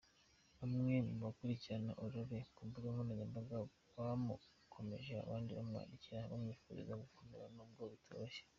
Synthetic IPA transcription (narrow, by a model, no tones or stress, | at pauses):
βamŋemuβakuɾiciɾana̰ʔoɾoβekuːmbuɡoŋonaɲambaɡa | βamu | kʰo̞me̞̰ʒea̰βaːndiβa̰muha̰ɾdiciɾaβomŋiːffuzḭzaɡukumiɾa̰nobɡoβitʰooçe̥